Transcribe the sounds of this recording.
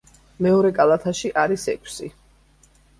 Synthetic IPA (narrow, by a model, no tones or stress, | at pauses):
mɛɔɾɛkʼalˠat̪ʰaʃiʔaɾisɛ̰kʰsi